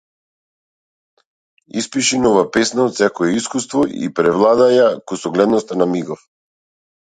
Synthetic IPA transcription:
ḭspiʃinɔvapɛsnaot̪sɛkɔɛiskust̪vɔḭpɾɛvlˠad̪ajakusɔɡlɛd̪nɔst̪anamiɡɔf

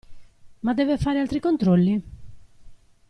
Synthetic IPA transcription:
mad̪ːɛːvefaːɾealt̪ɾikont̪ɾɔlːi

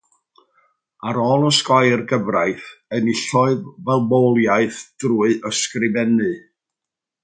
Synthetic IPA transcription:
aɾɔːlˠɔskajrɡəvrajθəniɬɔɨðvɛlˠmowlˠjaɨθd̥ruɨʔəskrɪvɛnɨ

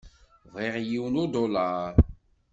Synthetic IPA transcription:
vʁiʁjiwnʊd̪olɑɾ

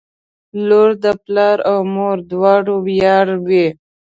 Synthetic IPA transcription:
loɾd̪əplɑɾawmoɾd̪wɑːɽowjɑːɽwe

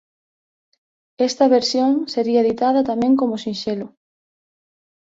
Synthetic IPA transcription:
est̪ɐβeɾsjoŋseɾiɐðit̪að̞ɐt̪amẽŋkomʊsĩnʃelʊ

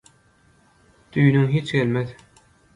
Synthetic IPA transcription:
d̪̥yjnyŋɦiːt͡ʃɡelmeð

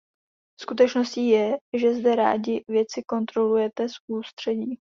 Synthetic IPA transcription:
skut̪ɛt͡ʃno̞sciːjɛʒɛzdɛɾa̰ːɟɪvjɛt͡sɪko̞nt̪ɾo̞lujɛt̪ɛsust̪r̝̥ɛɟiː

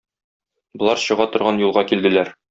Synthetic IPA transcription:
bŏlˠɑɾɕɤ̆ʁɑt̪ŏɾʁɑnjulˠʁɑkild̪ɘ̆læɾ

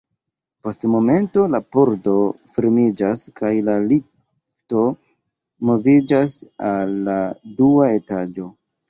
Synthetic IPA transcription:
po̞stmo̞me̞nto̞lapoɾdo̞fiɾmid͡ʒaskajlali | fto̞ | mo̞vid͡ʒasalːaduae̞tad͡ʒo̞

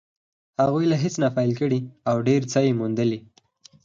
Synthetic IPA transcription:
haɣujlaɦɪt͡snafɑjlkəɽiawɖeɾt͡sajemund̪əli

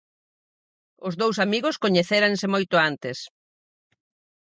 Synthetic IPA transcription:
ʊzðowsamiɣʊskoɲeθeɾaŋsɪmojt̪ʊant̪ɪs

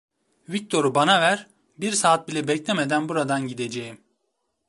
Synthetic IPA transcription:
vic̚t̪ʰo̞ɾubanavæɾ | biɾsaːt̪̚bilʲɛbɛclʲɛmed̪ænbuɾad̪anɟid̪ed͡ʒejim

